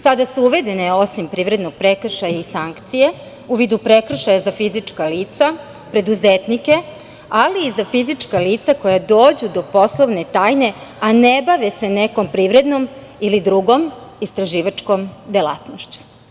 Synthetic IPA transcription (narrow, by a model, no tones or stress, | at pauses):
sad̪asuuʋe̞d̪e̞neo̞simpɾiːʋɾed̪no̞ɡ̚pɾe̞kr̩ʃajaisaŋkt̪sije̞ | uʋiːd̪upɾekr̩ʃajazafizit͡ʂkaliːt̪sa | pɾe̞d̪uzet̪nike̞ | aliːzafizit͡ʂkaliːt̪sako̞jad̪oːd͡ʑud̪o̞po̞slˠoʋne̞t̪aːjne̞anebaʋese̞neko̞mpɾiʋɾe̞d̪no̞m | ilid̪ɾuɡo̞mist̪ɾaʒiːʋat͡ʃko̞md̪ela̰t̪noʃt͡ɕu̥